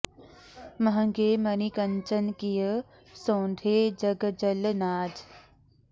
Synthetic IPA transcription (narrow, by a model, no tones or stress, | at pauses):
mɐɦə̃ŋɡeːmɐnikɐnt͡ʃənkijə | sõːnd̪ʱeːd͡ʒɐɡd͡ʒəlnaːd͡ʒ